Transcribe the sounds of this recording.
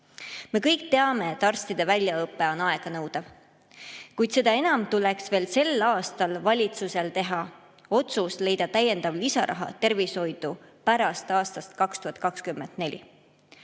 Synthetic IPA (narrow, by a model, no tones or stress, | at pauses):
me̞kɤjk̚t̪e̞ɑme̞ːt̪ːɑrst̪id̪̥e̞vælʲjɑɤpːe̞o̞nɑe̞ɡ̥ɑnɤwd̪̥ɑv | kujd̪̥se̞d̪̥ɑe̞nɑmt̪uleksve̞ːlse̞lɑːst̪ɑlvɑlʲit̪suse̞lt̪e̞ɦɑ | o̞t̪susle̞jd̪̥ɑt̪æjːe̞nd̪̥ɑvlisɑ̰ɾʔɑ̰ɦɑ̰t̪e̞rvisho̞jd̪̥upæɾɑst̪ɑːst̪ɑst̪kɑkst̪uhɑt̪̚ˑkɑkskymːḛnd̪̥ne̞lʲḭ